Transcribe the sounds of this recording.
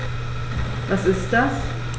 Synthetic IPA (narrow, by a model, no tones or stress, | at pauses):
vasɪst̚d̥as